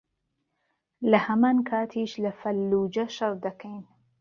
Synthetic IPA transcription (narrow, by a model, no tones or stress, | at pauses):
lahamaːnkʰaːt̪ʰiːʃlafɐlːuːd͡ʒaʃɑɾˤd̪ɐkʰajn